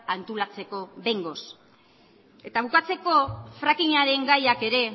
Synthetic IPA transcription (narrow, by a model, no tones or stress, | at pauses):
ant̪ulat͡se̞ko̞βe̞ŋɡo̞s | e̞t̪aβukat͡se̞ko̞fɾakiɲaɾe̞ŋɡajake̞ɾe̞